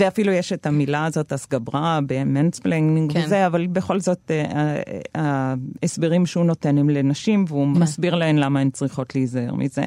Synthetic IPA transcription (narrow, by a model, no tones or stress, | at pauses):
veafilujeʃetamilaːzo̞tasɡabʁabemensbleŋɡniŋɡvezeavalbe̞χo̞lzo̞teaaesbeʁimʃeuno̞tenemle̞naʃimveumasbiʁlaemlamaemt͡sʁiχo̞tliːzaḛʁmʔḭze̞̰